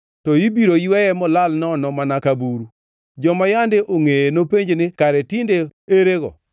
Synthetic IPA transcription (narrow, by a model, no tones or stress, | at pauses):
tɔjibiɾojɪwɛjɛmɔlalnɔnɔmanakabuɾu | d͡ʒɔmajandɪʔoŋejenopeɲd͡ʒnɪkaɾɛtɪndeeɾeɡɔ̰